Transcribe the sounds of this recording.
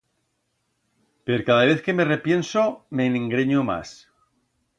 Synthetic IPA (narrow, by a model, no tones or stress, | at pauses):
peɾkaðaβeθke̞me̞re̞pje̞nsome̞neŋɡɾeɲoma̰s